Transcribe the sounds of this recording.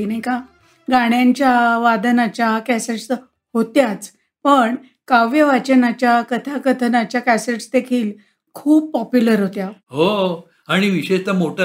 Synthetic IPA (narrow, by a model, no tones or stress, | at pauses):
inajka | ɡaɽ̃jãɲt͡ɕjaʋad̪ənat͡ɕakæseʈs | hot̪jat͡s | pəɳ | kaʋjəʋat͡ɕənat͡ɕjakət̪ʰakət̪ʰənat͡ɕjakæseʈsd̪ekʰiːl | kʰuːbpɔpjuləɾɦot̪jaɦo | aɽ̃iʋiɕeɕt̪amoʈʰa